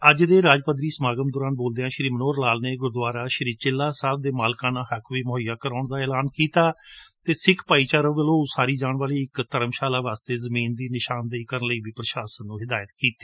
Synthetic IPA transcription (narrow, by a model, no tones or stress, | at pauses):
əd͡ʒd̪eːɾaːd͡ʒpəd̪ɾiːsəmaːɡəmd̪ʊːɾaːnboːld̪eːãːʃɾiːmənoːɾlaːlneːɡʊɾd̪ʋaːɾaːʃəɾiːt͡ʃɪlːaːsaːb̚d̪eːmaːlkãːnãːhəkʋiːmoɦəjaːkəɾaːɳd̪aːɛːlaːnkiːt̪aːt̪eːsɪkʰpaːiːt͡ʃaːɾəːʋəlõːsaːɾiːd͡ʒaːɳʋaːliːɪkt̪əɾəmʃaːlaːʋaːst̪eːzəmiːnd̪iːnɪʃaːnd̪eiːkəɾənləiːbiːpɾəʃaːsənːũːɦɪd̪aːjət̪kiːt̪iː